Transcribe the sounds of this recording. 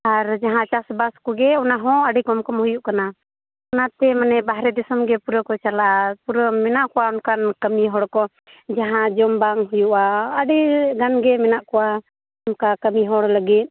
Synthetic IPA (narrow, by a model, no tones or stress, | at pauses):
aɾd͡ʒaɦãt͡ʃasbaskɔɡɛɔnaɦɔ̃əɖikɔmkɔmhujuʔkana | ɔnat̪ɛmanɛbaɦɾɛd̪ɛsɔmɡɛpuɾɔkɔt͡ʃalaʔapuɾɔmɛnaʔkɔwaɔnkankəmiɦɔɽkɔ | d͡ʒaɦãd͡ʒɔmbaŋɦujuʔaːɖiɡanɡɛmɛnaʔkɔwa | ɔnkakəmiɦɔɽləɡit̪̚ˀ